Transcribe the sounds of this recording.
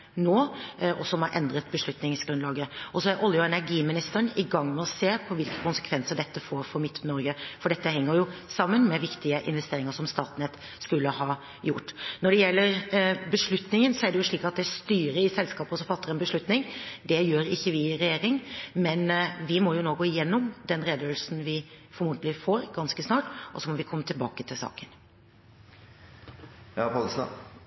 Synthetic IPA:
noːɔsɔmhɑɾʔɛ̰nd̪ɾət̪bəʂlʉt̪nɪŋsɡɾʉnlɑːɡəʔɔsɔæɾʔɔljəɛnæɾɡiːmɪnɪst̪əəɳɪɡɑŋːmɛɔseːpʰɔʋɪlkə̥kʊnsə̥kʰʋɛnsəɖ̪ɛt̪ːəfoːɾfɔɾmɪt̪ːnɔɾɡəfɔɖɛt̪ːəhɛŋːəɾjʊsɑmːənmɛʋɪkt̪ɪəʔɪ̰nʋɛst̪eːɾɪŋəʂɔmst̪ɑːt̪nɛt̪ | skʉlːəhɑː | jʊʈːnɔɖɛjɛlːəɾbəʂɭʉt̪nɪŋənsɔæɖɛjʊʂɭiːkɑt̪̚d̪ɛst̪yːɾəɪsɛlskɑːpɔsɔfɑt̪ːəɾɛnbəʂɭʉt̪nɪŋd̪ɛjøːɾɪçːəʋɪɾɛjeːɾɪŋmɛnʋɪmɔjʊnoːɡoːɪjɛnːɔmd̪ɛnɾeːd̪əøːlsn̩ʋɪfɔɾmuːt̪əlɪfoːɾɡɑnskəsnɑːʈʔɔsɔmɔʋɪkʰɔmːət̪ʰɪlbɑ̰ːkət̪ʰɪlsɑ̰ːkən | jɑpʰɑlsɑ̰

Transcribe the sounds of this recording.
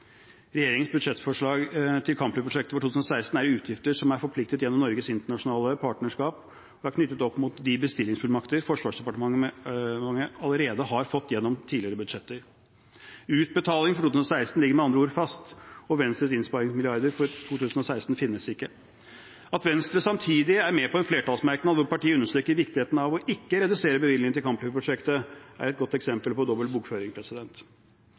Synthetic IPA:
ɾɛjeːɾɪŋənsbʉd̪ʂɛt̪fɔʂɭɑːɡt̪ʰɪlkʰɑmpləpʰɾʊʂɛk̚t̪əfɔʈʰuːt̪ʉːsnɔsæɪst̪n̩æɾʉːt̪ʰjɪft̪əʂɔmæɾfɔɾpʰlɪk̚t̪ət̪jɛnːɔmnɔɾɡəsɪnt̪əɳɑʂʊnɑːləpʰɑːʈnəʂkɑːp | ɔæɾkʰnʏt̪ːət̪ɔpːmʊt̪d̪ɪbəst̪ɪlːɪŋsfʉlmɑkt̪əɾfɔʂʋɑːʂd̪ɛpɑʈəmɑŋː | ɑŋːəɑləɾeːd̪əɦɑɾfɔt̪ːjɛnːɔmt̪ʰiːlɪəɾəbʉd̪ʂɛt̪ːəɾ | ʉːt̪̚bət̪ʰɑːlɪŋfɔɾʈut̪ʉːsnɔsæɪst̪n̩lɪɡːəɾmɛɑnd̪ɾəuːɾfɑst̪ɔʋɛnst̪ɾəsɪnspɑɾɪŋsmɪlɪɑɾd̪əɾfɔɾt̪ʰuːt̪ʉːsən̩ɔsæɪst̪n̩fɪnːəsɪkːə | ɑt̪ʋɛnst̪ɾəsɑmt̪ʰiːd̪ɪæɾmɛpʰɔɛnfleːʈɑːlsmæɾknɑd̪ʋʊɾpɑʈiːəʉnːəʂʈ̪ɾyːkəɾʋɪkt̪ɪheːt̪nɑʋɔʔɪkːəɾɛd̪ʉseːɾəbəʋɪlɪŋəɪlkɑmplyʋəpɾʊʂɛkt̪əæ̰ɾɛt̪̚ɡɔt̪ːɛksɛmpəlpɔd̪ɔbəlbukføːɾɪŋpʰɾɛsɪd̪ɛnt̪

